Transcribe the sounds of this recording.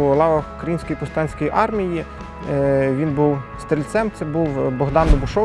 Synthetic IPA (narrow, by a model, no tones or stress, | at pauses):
lˠɑʋɐkɾɐjinʲsʲkɔjipɔst̪ɑnʲsʲkɔjiʔɑrmʲiji | ʋʲinbuwst̪ɾʲilʲt̪sɛmt̪sɛbuwbɔɦd̪ɑnd̪ɔbʊʃɔ